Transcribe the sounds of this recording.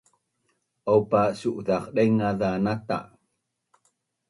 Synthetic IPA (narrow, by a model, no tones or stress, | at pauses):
ʔawpasuʔðaqɗajŋaðanat̪a̰ʔ